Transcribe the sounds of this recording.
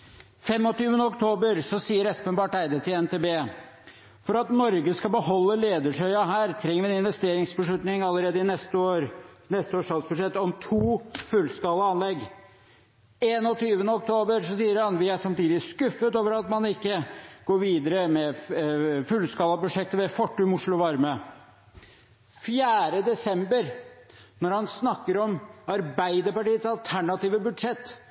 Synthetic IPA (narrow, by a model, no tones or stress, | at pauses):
fɛmːɔt̪ʰyːʋənəɔkt̪ʰoːbəɾsɔsiːəɾɛspənbɑʈːæɪd̪ət̪ʰɪlɛnt̪eːbeː | fɔɾɑt̪nɔɾɡəskɑbəhɔlːəleːd̪əʂœʏɑɦæːɾt̪ʰɾɛŋəʋɪɛnɪnʋɛst̪eːɾɪŋsbəʂ̬lʉt̪nɪŋɑlːəɾeːd̪əɪnɛst̪əoːɾ | nɛst̪əoːʂɑːsbʉʂɛt̪ːɔmt̪ʰuːfʉlskɑːləɑnlɛɡː | eːnɔt̪ʰyːʋənəɔk̚t̪ʰoːbəɾsɔsiːəɾhɑnʋɪæʂɑmt̪iːd̪ɪskʉfːət̪oːʋəɾɑt̪mɑnɪkːəɡ̥oːɾʋiːd̪əɾəmɛ | fʉlskɑːləpɾʊʂɛk̚t̪əʋɛfɔʈːʉmʊʂɭʊʋɑɾmə | fjæːɾəd̪ɛsɛmbəɾnɔɾhɑnsnɑkːəɾɔmɑɾbæɪd̪əɾpɑʈiːət̪sɑlt̪ʰæɳɑt̪iːʋəbʉd̪ʂɛt̪ː